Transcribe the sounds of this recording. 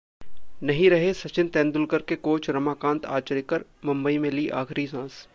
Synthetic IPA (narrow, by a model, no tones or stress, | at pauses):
nɐɦĩɾɐɦesɐt͡ʃɪnt̪ɛ̃ːnd̪ʊlkəɾkekoːt͡ʃʰɾɐmaːkãːnt̪a̰ːt͡ʃəɾekəɾmɐ̃mbəimẽliːʔa̰ːxɾisãːs